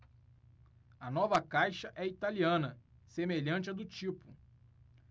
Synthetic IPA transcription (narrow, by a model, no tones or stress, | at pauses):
ɐnɔvɐkajʃɐʔɛit̪aliɐ̃nɐ | semeʎɐ̃t͡ʃɪɛd̪ʊt͡ʃipʊ